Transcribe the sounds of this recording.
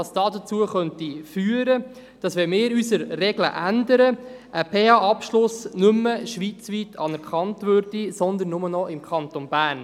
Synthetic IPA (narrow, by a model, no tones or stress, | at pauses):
ɑsd̥ɑːdət͡suːəχœntifyːəɾə | d̥ɑsʋɛmɪːɾysəɾrɛɡlə̰ʔændəɾəʔəpʰeɑɑpʃlʊsnʏmːəʃʋiːt͡sʋiːtʰɑnɛɾkʰɑntʋøɾd̥isɔnd̪ən̩ːʊmənɔʔɪmkʰɑnt̪onbæːn